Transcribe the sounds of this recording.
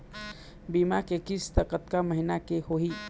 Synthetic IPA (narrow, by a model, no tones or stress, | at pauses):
bimakekist̪əkət̪kaməɦinakehoɦi